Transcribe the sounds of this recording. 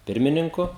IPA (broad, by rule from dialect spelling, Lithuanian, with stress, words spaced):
ˈpʲɪrʲmʲɪnʲɪŋkʊ